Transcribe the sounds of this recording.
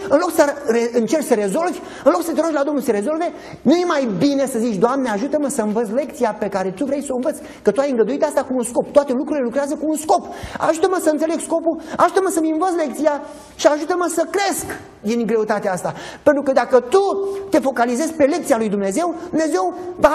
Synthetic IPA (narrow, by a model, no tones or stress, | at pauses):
ɨnlo̞ksəɾeɨnt͡ʃe̞rt͡ʃsəɾe̞zo̞lvʲ | ɨnlo̞ksət̪eɾoʃlad̪o̞mnuseɾe̞zo̞lve̞ | nuje̞majbine̞səzit͡ʃʲd̪oamneaʒut̪əməsəɨnvət̪s̬le̞k̚t̪sijape̞kaɾe̞t̪uvɾejsoɨnvət̪sʲ | kət̪uajɨŋɡləd̪uit̪ast̪akuːnsko̞p̚t̪oat̪e̞lukɾuile̞lukɾeazəkuːnsko̞pa̰ʒut̪əməsəɨnt̪sele̞ɡsko̞pua̰ʒut̪əməsəmɨ̃nvət̪s̬le̞k̚t̪sija | ʃiaʒut̪əməsəkɾe̞sk | d̪iŋɡɾe̞ut̪at̪east̪apent̪ɾukəd̪akət̪ut̪e̞fo̞kalize̞zpe̞le̞k̚t̪sijalujd̪umneze̞wd̪umne̞ze̞wva